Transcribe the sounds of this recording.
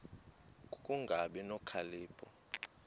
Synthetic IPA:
kʼkʼuŋɡʱaɓɛnɔkʰaliːpʰʼɔ

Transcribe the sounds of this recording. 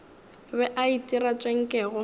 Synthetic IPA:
bɛʔaitʼirat͡ʃʼeŋ̩kʼɛːɣʊ

